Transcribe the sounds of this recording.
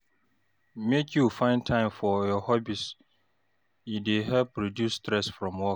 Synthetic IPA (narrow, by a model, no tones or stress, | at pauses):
mekʰjufãɪ̃ntʰãɪ̃mfɔjɔhɔbis | ideɦɛlpɹodjusːtɾɛsfɹɔ̃mwɔk